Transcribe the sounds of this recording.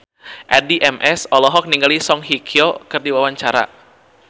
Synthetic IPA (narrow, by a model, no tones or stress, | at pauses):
ʔadiʔɛmʔɛsɔlɔɦɔk̚niŋɡalisɔŋɦikʰiokɨrdiwawaɲt͡ʃaɾa̰